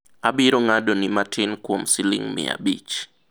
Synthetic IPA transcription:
abɪɾoŋadonɪmatʰɪnkwomsɪlɪ̰ŋmɪ̰a̰bit͡ʃ

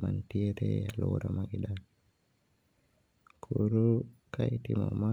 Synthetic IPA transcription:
mantiɾɛalwɔɾɔmaɡidal | kʰuɾukʰajtimɔma

